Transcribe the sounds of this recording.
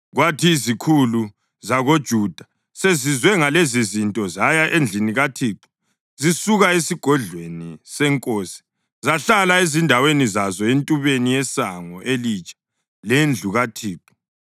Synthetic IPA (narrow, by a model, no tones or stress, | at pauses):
ɣwatʰizikʰulu | zaɣod̥ʒ̥ʱud̥ʱa | sezizwɛŋalezizintʼɔzajaʔend͡ɮʱiniɣatʰiːǃɔ̥ | zisuɣaesiɡ̥ʱɔɮwenisɛŋkʼoːsi̥ | zaɬalaezindʱawenizazɔentʼuβenijɛsaŋɔʔelit͡ʃʼḁ | lend͡ɮʱuɣatʰiːǃɔ̥